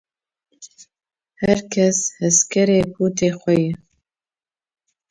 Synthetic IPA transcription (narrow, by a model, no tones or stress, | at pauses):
hɛɾkʰɛshɛskʰɛɾeːpʰuːt̪ʰeːxʷɛjɛ